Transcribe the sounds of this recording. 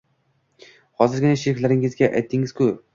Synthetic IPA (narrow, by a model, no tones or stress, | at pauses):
hɒzɪɾɡʲɪnaʃɪɾɪkʲlaɾɪŋɪzɡʲaʔajt̪ʰːɪŋɪz̥kʰʊ